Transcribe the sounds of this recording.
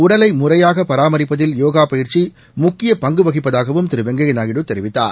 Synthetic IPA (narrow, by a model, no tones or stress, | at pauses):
ʊɽɐlɐɪmʊrɐjaːɣɐpɐɾaːmɐɾɪpːɐðɪljoːɣaːpɐjɪɾt͡ʃi | mʊkːɪjɐpɐŋɡɯʋɐɣɪpːɐðaːɣɐʋɯmt̪ɪɾɯʋɛŋɡɐɣɐnaːɣɪɽɯt̪ɛɾɪʋɪt̪ːa̰ːɾ